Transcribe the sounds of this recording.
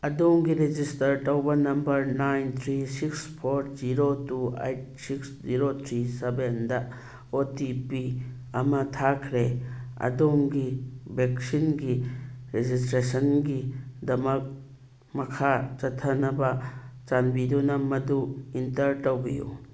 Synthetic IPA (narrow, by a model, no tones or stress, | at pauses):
ɐdoŋɡiɾed͡ʒistɐɾtɐwbɐnɐmbɐɾnajnt̪ʰɾisikspʰoɾziɾotuḛjt̚siksziɾot̪ʰɾisebendɐ | otipi | ɐmɐtʰakʰɾeɐ̰doŋɡibeksinɡiɾezistɾesɐnɡidɐmɐk̚ | mɐkʰat͡ʃɐtʰːɐnɐbɐt͡ʃanbidunɐmɐduintɐɾtɐwbijṵ